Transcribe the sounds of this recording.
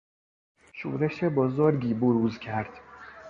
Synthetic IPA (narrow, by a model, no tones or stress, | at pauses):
ʃṵːɾeʃebɒːzɒːɾɟiːboɾuːzcʲʰæɾd̪̥